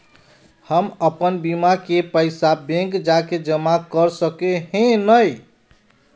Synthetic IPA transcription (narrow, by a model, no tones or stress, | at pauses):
həməpənbimakepəɪsabẽŋkd͡ʒaked͡ʒəmakəɾsəkeɦẽnəj